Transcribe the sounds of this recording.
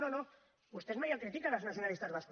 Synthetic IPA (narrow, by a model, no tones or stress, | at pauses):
ðono | ust̪ezmajakɾit̪ikalaznaθ̬jo̞nalist̪azβask